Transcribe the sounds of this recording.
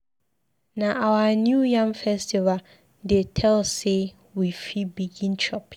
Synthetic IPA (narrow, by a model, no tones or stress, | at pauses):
nãʔawanujãmfɛstʰiva | detʰɛlse | wifibiɡĩnt͡ʃʰɔp